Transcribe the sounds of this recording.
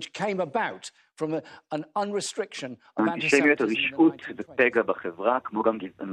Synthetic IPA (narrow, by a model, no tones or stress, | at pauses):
t͡ʃkʰẽɪ̃məbaʊt | fɹə̃mə̃nʌ̃nɹɪstɹ̥ɪkʃə̃n | aiʃɛmjɛtaʁiʃutvəpɛɡɐbaχɛvʁakmoɡamɡḭn